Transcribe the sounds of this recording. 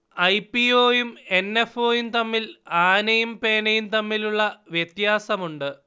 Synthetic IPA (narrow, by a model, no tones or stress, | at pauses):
ɐjpːioːjume̞nːe̞fo̞ːjumt̪ɐmːilaːnɐjumpe̞ːnɐjumt̪ɐmːiluɭːɐʋjet̪jaːsɐmuɳɖɨ